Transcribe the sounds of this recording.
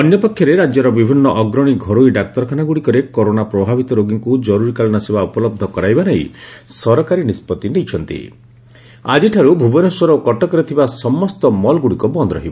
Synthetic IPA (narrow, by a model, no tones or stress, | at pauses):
ɔnjɔpɔkʰːjɔɾeɾad͡ʒjɔɾɔbibʱinːɔʔɔɡɾɔɽ̃iɡʱɔɾojɖak̚t̪ɔɾɔkʰanaɡuɽikɔɾekoɾonapɾɔbʱabit̪ɔɾoɡiŋkud͡ʒɔɾuɾikaɭɔñɔsebaupɔlɔb̚d̪ʱɔkɔɾajbaneisɔɾɔkaɾinispɔt̪ːinejt͡ʃʰɔnt̪ḭ | a̰d͡ʒiʈʰaɾubʱubɔneswɔɾɔkɔʈɔkɔɾit̪ʰibasɔmːɔst̪ɔmɔlɡuɽikɔbɔnd̪ɾɔɦiba